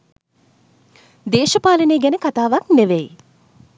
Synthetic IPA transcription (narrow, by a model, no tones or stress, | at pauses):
d̪eːʃəpaːləneːɡænəkat̪aːʋakneʋej